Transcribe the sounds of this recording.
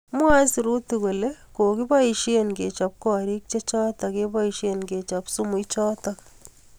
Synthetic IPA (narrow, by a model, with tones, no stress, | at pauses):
mwa˦si˨ɾu˦ti˨ko˨le˦ko˨ki˦pa˦iʃe˨nke˨t͡ʃa˨p̚kɔː˨ɾi˦k̚t͡ʃe˦t͡ʃɔː˦ta˨ke˦pa˦iʃe˨nke˨t͡ʃa˨psu˦mu˨it͡ʃɔː˦tak